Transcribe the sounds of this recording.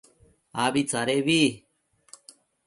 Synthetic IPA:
aβit͡saɾeβi

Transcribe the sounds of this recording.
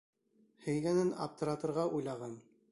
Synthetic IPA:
hɘ̆jɡænɘna̰p̚t̪ɤ̆ɾɑt̪ɤ̆ɾʁɑʔujlˠɑʁɑn

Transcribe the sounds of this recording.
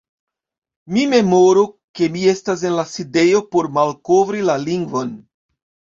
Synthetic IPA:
mime̞mo̞ɾo | ke̞mie̞stas̬e̞nlaside̞jo̞po̞ɾmalkovɾilaliŋɡvo̞n

